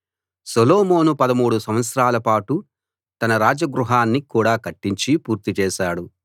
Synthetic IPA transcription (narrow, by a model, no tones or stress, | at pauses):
soloːmo̞ːnupɐd̪ɐmuːɽusɐmʋɐt̪sɾaːlɐpaːʈu | t̪ɐnɐɾaːd͡ʒɐɡɾuɦaːnːikuːɽaːkɐʈːiɲt͡ʃipuːɾt̪it͡ʃɛːʃaːɽu